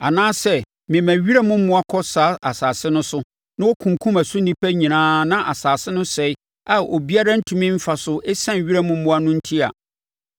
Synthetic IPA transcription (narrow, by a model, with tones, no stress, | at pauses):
a˨nãː˦sɛ˦ | mɪ̃˨mæ̃˨ɥi˦ɾa˦mʊ̃˦m̩˦mʊ̃˦a˦kʰɔ˦sa˨˦a˨saː˨sɪ˦nʊ̃˦sʊ˦ | nã˦wɔ˦kʰũ˨ŋ˨kʰũ˦mæ˨sʊ˦nĩ˦pʰæ˦ɲĩ˨nãː˦nã˦ʔa˨saː˨sɪ˦nʊ̃˦sɛ˨ɪ˦ | a˨o˨bi˦a˦ɾa˦n̩˦tʰũ˨mĩ˦m̩˦fa˨sʊ˦ʔɛ˦sã˦˨ɥi˦ɾa˦˨mʊ̃˦m̩˦mʊ̃˦a˦nʊ̃˦n̩˦tʰi˦a̰˨